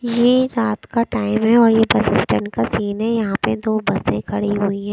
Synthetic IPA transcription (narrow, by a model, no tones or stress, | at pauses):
jeɾaːt̪kaʈaːɪmɦɛɔːɾjebɐsɪsʈəɳʈkasiːnɦɛjɐɦãped̪oːbɐsẽkʰɐɽiɦuiɦɛ̃ː